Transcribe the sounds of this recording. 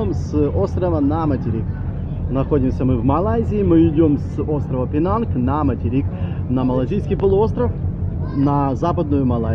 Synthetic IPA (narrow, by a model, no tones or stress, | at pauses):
omso̞st̪ɾəvənɐmətʲɪɾʲik | nɐxo̞dʲɪmsʲəmɨvmɐlˠazʲɪːmɨɪdʲo̞mso̞st̪ɾəvəpʲɪnanknɐmətʲɪɾʲik | nɐmɐlˠɐzʲijskʲijpəlˠʊo̞st̪ɾəf | nɐzapəd̪̚nʊjʊmɐlˠa